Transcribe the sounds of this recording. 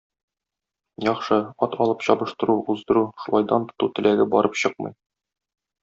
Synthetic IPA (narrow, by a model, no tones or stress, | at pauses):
jɒχʃɤɒt̪ɒlˠɤpɕɒbɤ̆ʃt̪ɤ̆ɾuuzd̪ɤ̆ɾuʃulˠɑjd̪ɑnt̪ŏ̥t̪ut̪ɘ̆læɡɘbɒɾʔɤpɕɤq̚mɤ̰j